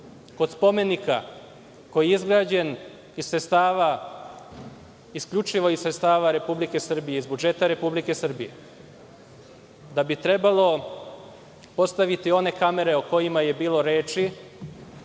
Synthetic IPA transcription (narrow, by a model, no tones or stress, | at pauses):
ko̞d̪spo̞me̞nika | ko̞jiizɡɾaːd͡ʑe̞n | issest̪aːʋa | iskʎʲut͡ʃiʋo̞isɾet̪st̪aːʋaɾe̞publike̞sr̩bije̞izbud͡ʒe̞t̪aɾe̞publike̞sr̩bije̞̰ | d̪abit̪ɾe̞balo̞ | po̞st̪aʋit̪io̞ne̞kame̞ɾe̞oko̞jimaje̞biːlˠo̞ɾe̞ːt͡ʃi